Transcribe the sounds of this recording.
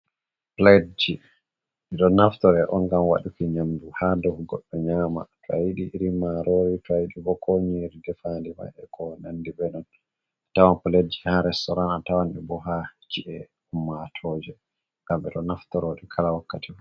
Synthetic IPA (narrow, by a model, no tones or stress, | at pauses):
plad͡ʒi | ɛɗɔnaftɔɾɛʔɔŋɡamwa̰ɗukiɲamduhadɔhɡɔɗːɔɲaːma̰tɔajiɗiʔːɾimaɾɔwitɔajiɗibɔkoɲiɾidɛfandima̰jɛkɔnandibɛnɔn | tawanpɔled͡ʒi̥haɾɛstɔɾanatawanɛbɔɦat͡ʃiʔɛ | humːatʰɔd͡ʒɛ | ŋɡambɛɗɔnaftɔɾoɗikʰalawakːati